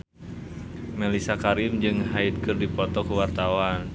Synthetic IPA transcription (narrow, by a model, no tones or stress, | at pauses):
mɛlisakaɾɪmd͡ʒɨŋɦait̪̚kɨrdipɔt̪ɔkuwart̪awan